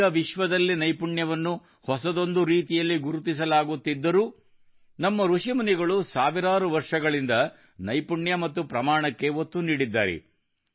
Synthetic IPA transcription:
ɐʋiʃʋɐd̪ɐlːinɐjpuɳjɐʋɐnːu | hɔsɐd̪o̞nd̪uɾiːt̪ijɐlːiɡuɾut̪is̬ɐlaːɡut̪ːid̪ːɐɾuː | nɐmːɐɾuʂimɐniɡɐɭusaːʋiɾaːɾuʋɐɾʂɐɡɐɭind̪ɐ | nɐjpuɳjɐmɐt̪ːupɾɐmaːɳɐkːe̞ot̪ːuniːɽid̪ːa̰ːɾɛ̰

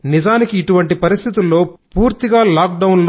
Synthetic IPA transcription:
nizaːnikiːʈuʋɐɳʈipɐɾist̪ʰit̪ulːo̞ːpuːɾt̪iɡaːlaːk̚ɖɐwnl

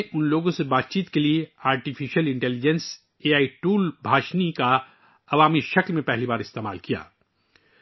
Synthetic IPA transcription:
ʔʊnloːɡõsebaːt̪̚t͡ʃiːt̪kelieaːɾʈifʰiʃəlɪ̃ɳʈɛːlɪd͡ʒɛ̃ns | eːaːiʈuːlbʱaːʃnika | ɐʋaːmiʃɐklmẽpɛɦlibaːɾɪst̪eːma̰ːlkija̰ː

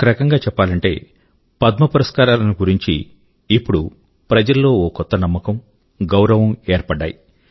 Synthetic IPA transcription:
kɐɾɐkɐŋɡaːt͡ʃɛpːaːlɐɳʈe̞̰ː | pɐd̪mɐpuɾɐskaːɾaːlɐniɡuɾiɲt͡ʃḭː | pːuɽu | pɾɐd͡ʒɐlːo̞ːoːkɔt̪ːɐnɐmːɐkɐm | ɡɐwɾɐʋɐmeːɾpɐɖːa̰ːji

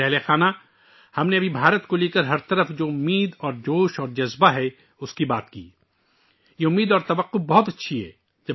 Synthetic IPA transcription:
ɛɦlexaːna | hɐmneɐbʱibʱaːɾət̪koleːkəɾɦɐɾt̪ɐɾəfd͡ʒoːʊmːiːd̪ɔːɾd͡ʒoːʃɔːɾd͡ʒɐzbaɦɛ | ʊskibaːt̪kḭː | jeʊmːiːd̪ɔːɾt̪ɐʋəqːʊbɐɦʊt̪ɐtːʃʰiɦɛ̰ː | d͡ʒɐ

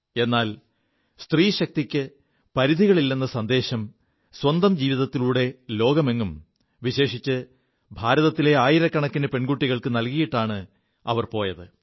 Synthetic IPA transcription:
e̞nːaːl | st̪riːɕɐk̚t̪ikʲːɨ | pɐɾiðʱiɣɐɭilːɐnːɐsɐnd̪e̞ːɕɐm | swɐnd̪ɐmd͡ʑiːʋiðɐt̪ːiluːɽe̞lo̞ːɡɐme̞ŋːum | ʋiɕe̞ːʂit͡ɕːɨ | bʱaːɾɐðɐt̪ːile̞aːjiɾɐkːɐɳɐkːinepe̞ɳɡuʈːiɣɐɭkɨnɐlkijiʈːaːɳɨ | ɐ̰ʋɐrpo̞ːjɐðɨ

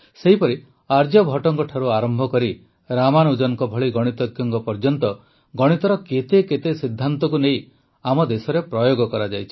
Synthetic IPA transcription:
seɦipɔɾi | aɾd͡ʒɔbʱɔʈɔŋkɔʈʰaɾuaɾɔmbʱɔkɔɾi | ɾamanud͡ʒɔɔŋkɔbʱɔɭiɡɔɽ̃it̪ɔɡjɔŋkɔpɔɾd͡ʒɔnt̪ɔ | ɡɔɽ̃it̪ɔɾɔket̪eket̪esid̪ʱːant̪ɔkunej | amɔd̪esɔɾepɾɔjoɡɔkɔɾad͡ʒajt͡ʃʰi̥

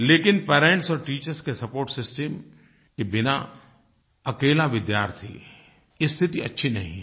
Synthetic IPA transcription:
leːkɪnpeːɾẽɳʈsɔːɾʈiːt͡ʃəɾskesɐpoːɾʈsɪsʈəm | kebɪna̰ | ɐkeːlaʋɪd̪jaːɾt̪ʰḭ | ɪst̪ʰɪt̪iɐ̰tːʃʰinɐɦḭ̃

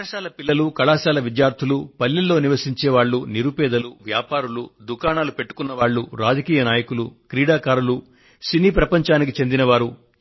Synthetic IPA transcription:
ɐʃaːlɐpilːɐlukɐɭaːʃaːlɐʋid̪jaːɾt̪ʰulupɐlːilːo̞ːniʋɐsiɲt͡ʃɛːʋaːɭːuniɾupɛːd̪ɐluʋjaːpaːɾulud̪ukaːnaːlupe̞ʈːu̥kunːɐʋaːɭːuɾaːd͡ʒɐkiːjɐnaːjɐkulukɾiːɽaːkaːɾulu | siniːpɾɐpɐɲt͡ʃaːnik̬it͡ʃe̞nd̪inɐʋaːɾu

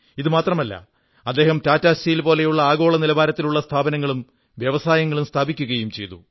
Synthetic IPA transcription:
iðɨmaːt̪rɐmɐlːɐ̰ | ɐd̪ːe̞ːɦɐmtaːtːaːsɐjilpo̞ːle̞juɭːɐaːɡo̞ːɭɐnilɐbaːɾɐt̪ːiluɭːɐst̪ʰaːbɐnɐŋːɐɭum | ʋjɐʋɐsaːjɐŋːɐɭumst̪ʰaːbikʲːuɣɐjumt͡ɕe̞jt̪ṵ

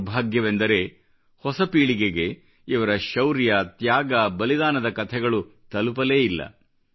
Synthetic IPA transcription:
bʱaːɡjɐʋend̪ɐɾe̞ | hɔsɐpiːɭiɡeɡe̞ | iʋɐɾɐʃɐwɾjɐt̪jaːɡɐbɐlid̪aːnɐd̪ɐkɐt̪ʰɛɡɐɭut̪ɐlup̬ɐle̞ːilːɐ̰

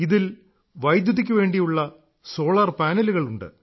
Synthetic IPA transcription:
iðil | ʋɐjd̪juðikʲːuʋe̞ːɳɖijuɭːɐ | so̞ːɭɐrpaːnɐluɣɐɭuɳɖɨ̰

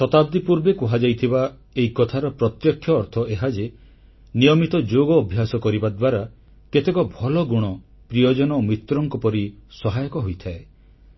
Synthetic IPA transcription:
sɔt̪ab̚d̪ipuɾbekuɦad͡ʒajt̪ʰiba | eikɔt̪ʰaɾɔpɾɔt̪jɔkʰːjɔːɾt̪ʰɔʔeɦad͡ʒe | nijɔmit̪ɔd͡ʒoɡɔːbʱjasɔkɔɾibad̪waɾa | ket̪ekɔbʱɔlɔɡuɽ̃ɔ | pɾijɔd͡ʒɔnɔomit̪ɾɔŋkɔpɔɾisɔɦajɔkɔɦojt̪ʰae

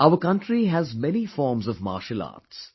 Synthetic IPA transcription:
aʊəɾkʌ̃nʈɾiɦæzmɛnifɔːɾmzɔvma̰ːʃəla̰ːʈs

